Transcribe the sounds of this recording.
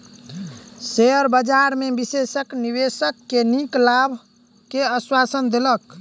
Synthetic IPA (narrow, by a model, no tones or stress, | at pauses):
seəɾbəd͡ʒaɾmebisesəknibesəkːeniklabʱ | keəswasənd̪elək